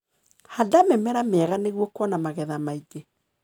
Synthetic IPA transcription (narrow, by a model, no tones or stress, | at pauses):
hadamɛmɛɾameɛɣaneɣwɔkwɔnamaɣɛðamaiɡe